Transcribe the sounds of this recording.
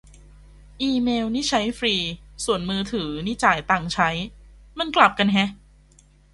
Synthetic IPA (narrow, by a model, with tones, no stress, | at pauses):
ʔiː˧meː˧wniː˦˥˩t͡ɕʰa˦˥jfɾiː˧su˨˩ənmɯː˧t̪ʰɯː˩˦niː˦˥˩t͡ɕaː˨˩jt̪aː˨˩ŋt͡ɕʰa˦˥j | ma˧nkla˨˩p̚ka˧nɦɛ˦˥ʔ